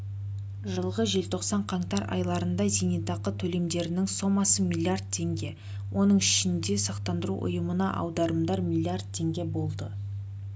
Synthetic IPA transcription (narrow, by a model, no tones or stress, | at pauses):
ʒəlˠʁəʒe̞lt̪ʰo̞qsɑɴqʰɑɴt̪ɑɾɑ̰jlˠɑɾənd̪ɑzinit̪ɑqət̪ʰɵle̞md̪e̞ɾɪnɪŋso̞mːɑsəmʲilʲˠːiard̪̚t̪ʰe̞ŋɡʲe̞ | wʔo̞nəɴɪʃɪnd̪e̞sɑqt̪ɑnd̪əɾṵʔʊ̰jəmənɑʔɑ̰wd̪ɑɾəmd̪ɑɾmʲilʲˠːiard̪̚t̪ʰːe̞ŋɡʲe̞bo̞lˠd̪ə